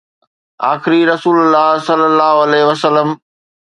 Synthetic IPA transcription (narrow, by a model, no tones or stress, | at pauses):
a̰ːxɪɾiɾɐsuːlʊlːaːɦsɐlːəlːaːɦoɐleːɦʋəsəlːəm